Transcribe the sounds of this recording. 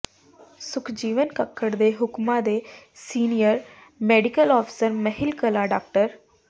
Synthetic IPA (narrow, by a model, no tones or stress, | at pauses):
sʊkʰd͡ʒiːʋənkəkʰːəɽd̪eːɦʊkmãːd̪eː | siːnijəɾ | mɛːɖɪkəlɔːpʰɪ̥səɾməɦɪlkəlaːɖaːk̚ʈəɾ